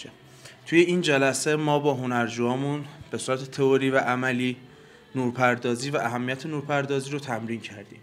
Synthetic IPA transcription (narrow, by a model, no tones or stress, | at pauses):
t̪ʰujeiːnd͡ʒælæse̞mɒːbɒːɦonæɾd͡ʒuːɒːmunb̥e̞suːɾæt̪ʰe̞t̪ʰe̞oɾiːvæʔæmæliː | nuːɾpʰæɾd̪ɒːziːvæʔæɦæmːijæt̪ʰenuːɾpʰæɾd̪ɒːziːɾot̪ʰæmɾiːncʰæɾd̪ḭːm